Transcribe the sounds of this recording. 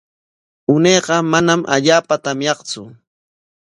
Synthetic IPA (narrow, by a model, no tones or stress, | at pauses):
ʊneːqɑmanamʔa̰ʎaːpat̪amjɑχt͡sʊ